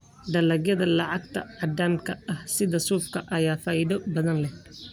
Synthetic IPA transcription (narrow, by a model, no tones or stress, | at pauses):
d̪ɐlɐɣjɐðɐlɑʕɑɡ̚t̪ʰɐ̰ʕɑd̪aːmkʰɐɐhsɪðɐsuːfkʰɐʔɐjaːfɐːjðɔbɐðɐnlɛh